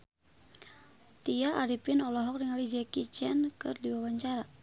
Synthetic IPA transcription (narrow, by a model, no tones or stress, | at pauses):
t̪iaʔaɾipɪnɔlɔɦɔk̚diŋalid͡ʒɛkit͡ʃɛnkɨrdiwawaɲt͡ʃaɾa